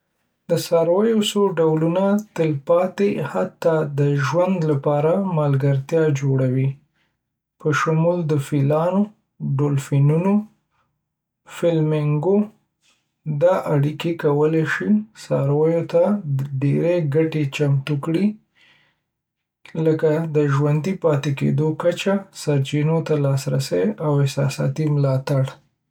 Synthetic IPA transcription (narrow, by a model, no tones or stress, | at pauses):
d̪əsɑɾwajosoɖawlunat̪əlpɑt̪ehat̪ːɑd̪əʒwand̪lapɑɾamɑlɡaɾt̪jɑd͡ʒoɽawi | pəʃamuld̪əfilɑno | ɖolfinuno | fɪlmɪŋɡo | d̪ɑʔaɽikekawəleʃisɑɾwəjot̪aɖeɾeɡaʈet͡ʃamt̪ukɽi | ləkad̪əʒwand̪ipɑt̪ekḛd̪okat͡ʃasaɾt͡ʃinot̪alɑsɾasəjawɪsɑsɑ̰t̪imlɑt̪aɽ